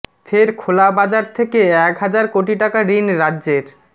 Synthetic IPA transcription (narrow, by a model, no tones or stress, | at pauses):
fʰeɾkʰolabad͡ʑaɾt̪ʰekeɛkɦad͡ʑaɾkoʈiʈakaɾinɾadːʑeɾ